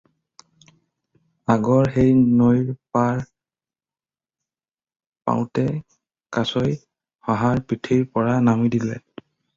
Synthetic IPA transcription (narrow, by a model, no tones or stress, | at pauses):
aɡɔɹxejnojɹpaɹ | pa̰wtɛ | kasoj | haɦaɹpitʰiɹpɔɹanamidilɛ̰